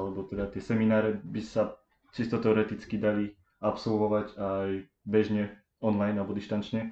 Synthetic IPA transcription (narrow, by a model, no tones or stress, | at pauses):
lɛbɔt̪ɛd̪at̪ɪɛsɛminaːɾɛbisa | t͡ʃist̪ɔt̪ɛɔɾɛt̪it͡skid̪ali | apsɔlʋɔʋaɟaj | bɛʒɲɛ | ɔnlajnalbɔd̪iʃt̪ant͡ʃɲɛ